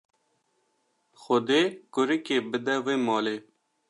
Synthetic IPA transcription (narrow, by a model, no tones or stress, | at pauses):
xʊd̪eːkʊɾikeːbɪd̪ɛwemɔːleː